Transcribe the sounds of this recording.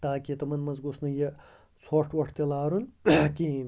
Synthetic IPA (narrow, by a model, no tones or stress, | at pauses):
t̪aːkit̪omɐnmɐnzɡusnɐje | sʰoʂʈʰʋɐʈʰt̪elaːɾunki